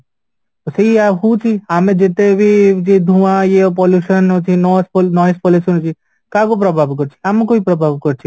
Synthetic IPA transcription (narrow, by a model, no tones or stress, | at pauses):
seiaɦũt͡ʃʰiaːmẽd͡ʒet̪ebʱid͡ʒid̪ʱũʋãjep̬ɔljuʃənt͡ʃʰinɔsponɔjespɔluʃənt͡ʃʰi | kakop̬ɾɔbʱaːbkɔɾt͡ʃʰi̥amkoipɾəbʱaːbkɔɾt͡ʃʰi